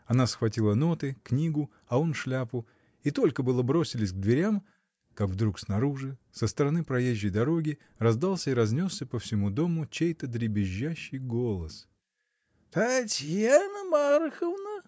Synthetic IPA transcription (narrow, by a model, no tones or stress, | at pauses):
ɐnasxvɐtʲilˠəno̞t̪ɨknʲiɡʊ | ɐonʂlʲapʊ | it̪o̞lʲkəbɨlˠəbɾo̞sʲɪlʲɪsʲɡ̚d̪vʲɪɾʲam | kakvd̪ɾuksnɐɾuʐɨsəst̪əɾɐnɨpɾɐjeʑʲːəjd̪ɐɾo̞ɡʲɪ | rɐzd̪alˠsʲəɪɾɐzʲnʲo̞sːʲəpəfsʲɪmud̪o̞mʊt͡ɕejt̪əd̪ɾʲɪbʲɪʑːæɕːɪjɡo̞lˠəs | t̪ɐtʲjanəmaɾxəvnə